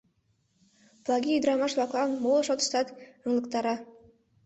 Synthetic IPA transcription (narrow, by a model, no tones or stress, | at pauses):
plˠɑɡʲiyd̪ɾɑmɑʃβɑklˠɑnmolˠʃot̪ə̥̆ʃt̪ɑt̪əŋlˠɤ̆k̚t̪ɑɾɑ